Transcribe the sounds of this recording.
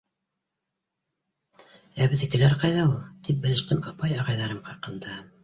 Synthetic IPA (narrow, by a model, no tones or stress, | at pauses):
æβɘ̆ðɘ̆kɘ̆læɾqɑjðɑulˠt̪ip̚bɘ̆lɘ̆ʃt̪ɘmɑpɑjɑʁɑjðɑɾɤmqɑqɤ̆nd̪ɑ